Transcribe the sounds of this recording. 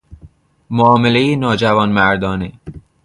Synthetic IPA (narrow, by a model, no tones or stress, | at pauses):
moɒːmelejenɒːd͡ʒævɒːnmæɾd̪ɒːne